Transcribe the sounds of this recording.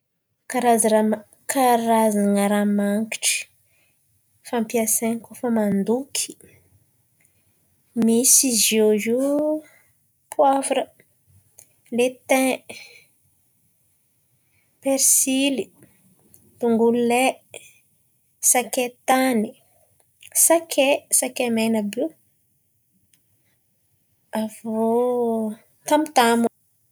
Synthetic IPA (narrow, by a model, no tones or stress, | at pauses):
kaɾazɾa | kaɾazaŋəɾamaŋki̥ʈ͡ʂi̥ | fampiaseɲkofəmand̪ukʰi̥ | misizozu | pʰwafɾə | let̪ɛ̃ | peɾsili | t̪uŋɡulle | saket̪ani | sakʰesakemenəbi | avo | t̪amut̪amu